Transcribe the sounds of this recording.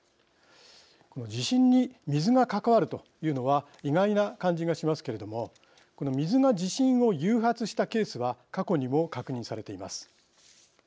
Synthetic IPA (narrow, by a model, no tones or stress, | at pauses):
ko̞no̞d͡ʑiɕĩɲːimʲizɨɡakakaβaɾɯ̟t̪o̞ | jɯ̟ːno̞βa | iɡainakãɲ̟d͡ʑiɡaɕimasɨ̥ke̞ɾe̞d̪o̞mo̞ | ko̞no̞mʲizɨŋad͡ʑiɕĩɰ̃o̞jɨːɦat͡sɨɕi̥t̪ake̞ːsɨβakako̞ɲ̟imo̞kakɯ̟ɲ̟ĩsaɾe̞t̪e̞ima̰sɨ̥